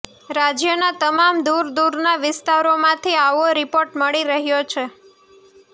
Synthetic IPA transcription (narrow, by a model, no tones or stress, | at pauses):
ɾad͡ʒjənat̪əmamd̪uɾd̪uɾnaʋɪst̪aɾomãt̪ʰiaʋoɾɪpoɾʈməɭiɾəɦjot͡ʃʰe